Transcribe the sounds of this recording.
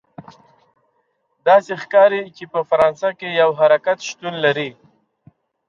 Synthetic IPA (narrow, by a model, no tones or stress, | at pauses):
d̪ɑsexkɑɾit͡ʃepəfaɾɑnsakejawɦaɾakat̪ʃt̪unlaɾi